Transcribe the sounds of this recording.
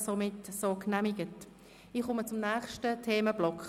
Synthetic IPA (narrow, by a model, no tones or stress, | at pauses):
somɪtsoːknɛmɪɡ̥ət | iχʊmət͡sʊmnɛːχʃtətʰeːməb̥lɔk